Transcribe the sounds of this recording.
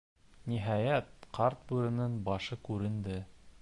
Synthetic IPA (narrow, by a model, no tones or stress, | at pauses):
niɦɑjæt̪̚qɑɾt̪̚bʉɾɘ̆nɤɴbɑʃɤkʉɾɘ̆nd̪ɘ